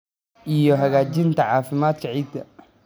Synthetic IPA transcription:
ʔijɔɦɐɣaːt͡ʃɪnt̪ʰɐʕɑːfɪmaːd̪kʰɐʕiːd̪kʰɐ

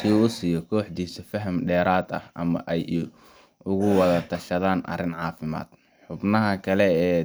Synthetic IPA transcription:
siuːʊsɪjɔkʰɔːħd̪iːsɐfɐɦɐmɖɛːɾaːd̪ɐ̰hɐ̰mɐ̰ʔɛj | ʊɣʊwɐðɐt̪ʰɐʃɐðaːnʔɐ̰rɪnʕɑːfɪma̰ːd̪ | ħʊbnɐɦɐkʰɐlɛː

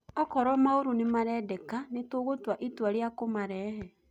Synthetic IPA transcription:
ɔkɔɾɔmaoɾonemaɾɛdɛkanetoɣotwaʔitwaɾeakomaɾɛːɦɛ

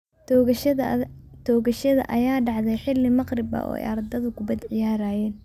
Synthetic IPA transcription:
t̪ʰɔːɣɐʃɐðɐ̰ʔɐjaːɖɑʕðɛjħɪlːɪmɑqrɪbɐ̰ʔɔ̰ːjʔɐ̰ɾd̪ɐðʊkʰʊbɐd̪ʕɪjaːɾaːjɛːn

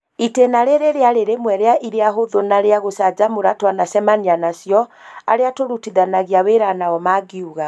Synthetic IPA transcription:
itenaɾeɾeɾeaɾeɾemwɛɾeaʔiɾeaɦoðonaɾeaɣosad͡ʑamoɾatwanasɛmanianasjɔa̰ɾeatoɾutiðanaɣiaweɾanaɔmaːɡiuɣa

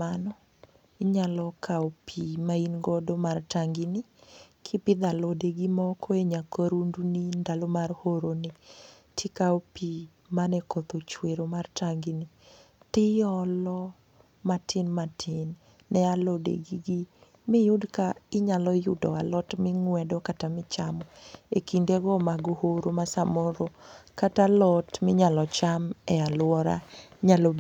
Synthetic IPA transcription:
anɔ | ɪɲalɔkʰaopʰimainɡɔdomartaŋɡɪnɪkʰɪpɪd̪alodeɡimɔkʰoeɲakoɾundunindalomarhoɾonɪ | tʰɪkaopi | manɛkot̪ot͡ʃweɾomartaŋɡɪnɪ | tɪjɔlɔ | matʰɪnmatʰɪnː | ɛalodḛɡiɡi | mɪjʊdkaɪɲalɔjʊdɔ̰alɔtmɪŋwɛdɔkatamɪt͡ʃamɔekindeɡɔmaɡohoɾomasamɔɾokatalɔtmɪɲalɔt͡ʃamɛalwɔɾa̰ɲalob

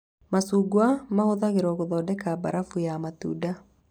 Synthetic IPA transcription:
masuːɡwamahoðaɣeɾɔɣoðɔːdɛkaba̰ɾafujamatṵːda

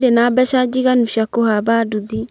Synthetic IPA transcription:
ɾenabɛʃad͡ʒiɣanuʃakohabaduði

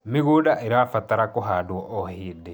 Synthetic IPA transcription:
miɣudaʔeɾaːfataɾakoɦaːdwɔʔɔhiːde

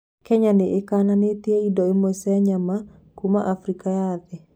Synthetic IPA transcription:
kɛɲaneʔekananeteeidɔemosɛɲama | kuma̰ʔafɾikajaðɛ

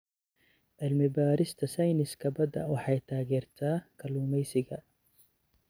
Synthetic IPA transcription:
ʕɪlmɪbaːɾɪst̪ʰɐsɐjnɪskʰɐbɐd̪ɐ̰wɑħɑjt̪ʰaːɣɛːrt̪ʰaːkʰɐluːmɛjsɪɣɐ

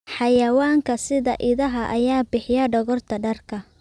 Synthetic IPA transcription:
ħɑjɐwaːŋkʰɐsɪðɐʔɪðɐɦɐʔɐjaːbɪħɪjɐɖɔɣɔrt̪ʰɐɖɐrkʰɐ

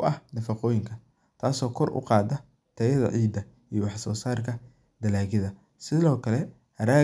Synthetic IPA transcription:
ʔɐhnɐfɑqɔːjɪŋkʰɐ | t̪ʰaːsɔːkʰɔrʔʊ̰qɑːd̪ɐ | t̪ʰɐjɐðɐ̰ʕiːd̪ɐ | ijɔwɑħsɔːsaːrkʰɐ | d̪ɐlaːɣɪðɐ | sɪðɔːkʰɐlɛ | hɐɾaː

